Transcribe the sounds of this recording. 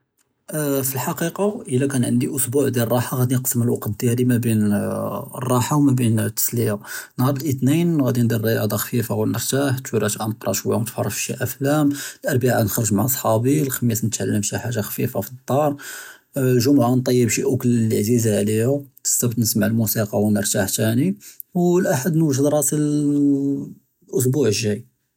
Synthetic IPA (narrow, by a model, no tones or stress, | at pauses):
filħɑqiqɑʔəlːækænʕə̰nd̪iʔʊsbuʕd̪jilrˤːɑħaɣæd̪inqsːəməlwɑqt̪̚d̪jælimæbin̰ | rˤːɑħawmæbint̪ːə̥sliʕanhɑɾˤəlʔət̪ninɣæd̪ind̪ərˤːɑjɑ̰d̪ˤɑxfifawəlnːəɾˤt̪aħt̪wiɾæʃʔænəqɾˤɑ̰ʃwəjat̪fɑrˤːəfʃḭʔæflæmlʔɑɾˤbaʕanxəɾˤəʒmaʕʔɑsˤħɑbilxəmjæsnət̪ʕa̰lːəmʃiħaʒːaxfifafit̪ˤːɑɾˤ | lʒʊmʕant̪ˤɑjːəbʃiʔʊklləʕzizaʕlihut̪ə̥st̪æbt̪nəsmaʕlmusiqɑwnəɾˤt̪aħt̪æni | wlʔaħad̪nwəʒəd̪ɾˤɑsil | ʔʊs̬buʕəʒːæj